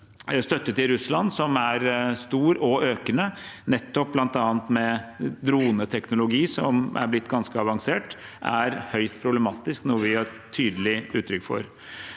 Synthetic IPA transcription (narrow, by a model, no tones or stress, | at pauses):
st̪œt̪ːət̪ɪɾʉslɑnsɔmæɾst̪uːɾɔøːkənənɛt̪ːɔp̚blɑnt̪ɑːənt̪mɛd̪ɾuːənət̪ʰɛknʊlʊɡiːsɔmʔæ̰ɾblɪt̪ːɡɑnskəɑʋɑŋseːʈ | ʔæɾhœʏst̪̚pʰɾʊbləmɑːt̪ɪsknɔɾʋɪhɑɾ | t̪ʰyːd̪əlɪʉːt̪ʰɾʏkːfɔ̰ɾ